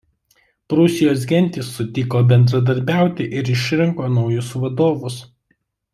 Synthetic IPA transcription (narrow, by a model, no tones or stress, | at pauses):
pɾʊsʲɪjoːs̬ɡʲɛnʲˑt̪ʲɪsːʊt̪ʲɪkoːbʲɛnd̪ɾɐd̪ɐɾʲbʲæˑʊt̪ʲɪʔɪɾɪʃʲɾʲɛŋkoːnɒʊjʊsʋɐd̪oːʋʊs